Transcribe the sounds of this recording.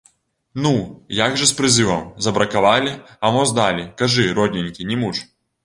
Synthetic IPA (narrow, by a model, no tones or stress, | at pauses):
nujaɡʐɛspɾɪzɨʋɐmzɐbɾɐkaʋɑlʲiɐmɔzd̪alʲikɐʐɪɾɔdʲnʲinʲkʲinʲimuʂ